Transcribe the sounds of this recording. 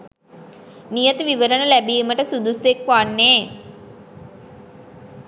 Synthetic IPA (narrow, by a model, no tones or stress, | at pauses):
nijət̪əʋiʋəɾənəlæbiməʈəsud̪usekʋanːeː